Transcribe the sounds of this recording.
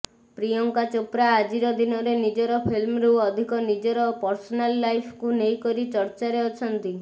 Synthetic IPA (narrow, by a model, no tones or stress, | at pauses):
pɾijɔŋkat͡ʃopɾaːd͡ʒiɾɔd̪inɔɾenid͡ʒɔɾɔpʰilmɾuɔd̪ʱikɔnid͡ʒɔɾɔpɔɾsɔnalːajpʰkunejkɔɾit͡ʃɔɾt͡ʃaɾeɔt͡ʃʰɔnt̪i